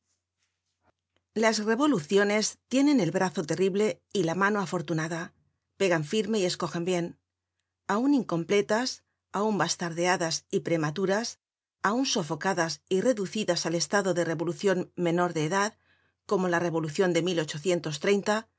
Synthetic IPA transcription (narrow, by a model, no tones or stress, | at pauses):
lazre̞βo̞luθjo̞ne̞st̪je̞ne̞ne̞lβɾaθo̞t̪e̞riβle̞ | ilamãno̞afo̞ɾt̪unaða | pe̞ɣaɱfiɾme̞ie̞sko̞xembje̞n | auniŋko̞mple̞t̪as | aumbast̪aɾðe̞aðasipɾe̞mat̪uɾas | aunso̞fo̞kaðasire̞ðuθiðasale̞st̪aðo̞ðe̞re̞βo̞luθjo̞nmẽ̞no̞ɾðe̞ːðað | ko̞mo̞lare̞β̞o̞luθjo̞nd̪e̞milo̞t͡ʃo̞θje̞nt̪o̞s̬t̪ɾe̞jnt̪a